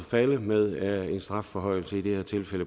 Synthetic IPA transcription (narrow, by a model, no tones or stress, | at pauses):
fæləmeð̞ˠe̝nsd̥ʁɑ̈fːɒ̽ɦɒ̽ɪ̰l̩səid̥e̝heɐt͡sʰe̝lfelə